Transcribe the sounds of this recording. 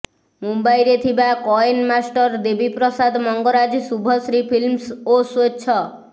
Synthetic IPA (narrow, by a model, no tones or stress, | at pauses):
mumbajɾet̪ʰibakɔenmasʈɔɾd̪ebipɾɔsad̪mɔŋɡɔɾad͡ʒsubʱɔsɾipʰilmsosot͡ʃʰɔ